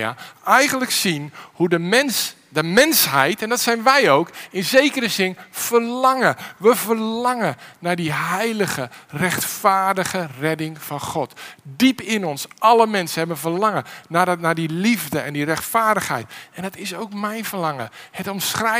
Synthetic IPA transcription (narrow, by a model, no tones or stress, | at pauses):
a̰ɛjɣəndləksinhudəmɛns | dəmɛnsɦɛjtɛndɑtsɛjnʋɛjowkɪnzejkəɾəzɪnv̥ərlɑŋəʋəvəɹlɑŋənaːdiɦɛjləɣərɛχtfaːɹdəɣərɛdɪŋv̥ɑnχɔtdipɪnɔnsʔɑləmɛnsənhɛbənvəɹlɑŋənanaːdilivdəɛndirɛχtfaːɹdəχhɛ̰jtɛndɑtɪsowkmɛjnvərlɑŋəhətɔmsχrɛ